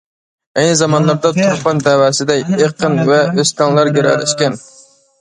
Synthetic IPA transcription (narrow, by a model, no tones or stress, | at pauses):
ɛjnɪzɑmɑnlˠɑɾd̪ɑt̪ʰoɾpɑnd̪ɛwæsɪd̪ɛkʲeqʰənvɛøst̪ʰɑŋlˠɑɾɡʲeɾɛ̰lɛ̰ʃkʲɛn